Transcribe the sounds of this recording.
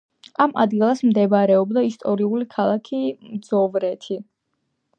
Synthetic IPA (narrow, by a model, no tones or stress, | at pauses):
amʔa̰d̪ɡilˠasmd̪ɛbɾɛɔbd̪aist̪ʼɔɾiulikʰalˠakʰimd̪zɔvɾɛt̪ʰi